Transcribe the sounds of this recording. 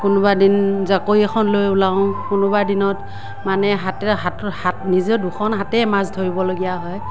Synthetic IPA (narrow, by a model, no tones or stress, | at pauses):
kʊnʊbadinzakoiɛxʰɔnlojulaʊ̃kʊnʊbadinɔt | manɛɦatɛɦathatnizɛduxʰɔnɦatɛmazdʰʱoɹibɔloɡijaɦɔj